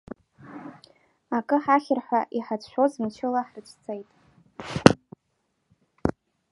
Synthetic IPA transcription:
akʼɨħaχʲɪrħʷaʔiħat͡sʰʷʃʷᶣozmt͡ʃʷʰɪlaħrɨt͡ʃʷʰt͡sʰʼejtʼ

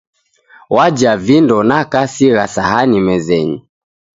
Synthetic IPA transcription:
wad͡ʒavindɔnakasiɣasahanimɛzɛɲḭ

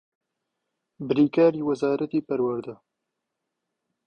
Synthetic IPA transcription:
bɨɾiːkaːɾiːwɐzaːɾʔɐt̪iːpɐɾwɐɾd̪ɐ

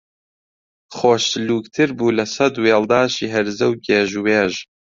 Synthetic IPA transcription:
χoːʃluːkt̪ʰɨɾbuːlɐsɐd̪weːld̪aːʃiːɦɛɾzɐwɡeːʒuweːʒ

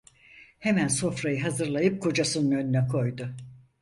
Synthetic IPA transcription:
hemænso̞fɾajɯɦazɯɾlˠajɯp̚kʰo̞d͡ʒasɯnɯnønynɛkʰo̞jd̪ʊ

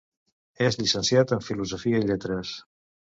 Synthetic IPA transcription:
ezʎisənsjat̪əɱfiluzofiəiʎet̪ɾəs

